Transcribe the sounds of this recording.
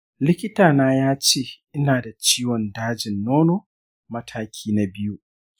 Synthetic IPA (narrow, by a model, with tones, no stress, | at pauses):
lɪ˦kʲɪ˦taː˨naː˦jaː˦t͡ʃeː˦˨ʔɪ˦naː˨da˨t͡ʃiː˦wɔ˨ndaː˦d͡ʒɪ˨nːoː˦noː˨ | mɐ˦tʰaː˦kʲʰiː˦na˨bɪ˦ju˦